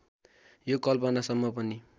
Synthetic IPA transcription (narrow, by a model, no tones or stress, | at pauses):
jokʌlpʌnasʌmːʌpʌni